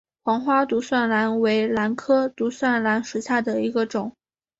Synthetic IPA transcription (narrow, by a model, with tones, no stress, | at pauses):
xwɑ˧˥ŋxwa˥t̪u˧˥swa˥˩nla˧˥nwe˧˥ɪla˧˥nkʰɤ˥t̪u˧˥swa˥˩nla˧˥nʂu˧˥ɕja˥˩d̪ə˩i˧˥ɡə˧ʈ͡ʂʊ˨˩˦ŋ